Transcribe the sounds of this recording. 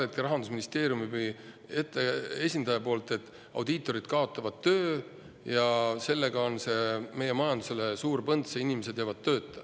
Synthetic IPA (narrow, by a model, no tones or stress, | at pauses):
et̪̚kiɾɑɦɑnd̪usminist̪e̞ːɾjumivj | et̪ːˑee̞sʲind̪̥ɑjɑpo̞ːlt̪ˑe̞t̪ːˑ | ɑ̰wd̪it̪ːˑo̞ɾid̪̥̚kɑo̞t̪ˑːɑvɑd̪̥̚t̪ːø̞ː | jɑse̞lːe̞ɡɑo̞nse̞me̞je̞mɑjɑnd̪use̞le̞suːɾpɤnd̪seinimes̬e̥jɑvɑd̪̥̚t̪ːø̞ːt̪ːˑɑ̥